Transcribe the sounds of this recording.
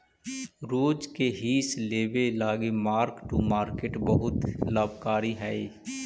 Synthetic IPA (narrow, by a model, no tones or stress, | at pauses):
ɾoːd͡ʒkeɦiːsleːʋelaːɡemaːɾkʈumaːɾkeːʈbəɦʊt̪laːbʱkaːɾiɦɛ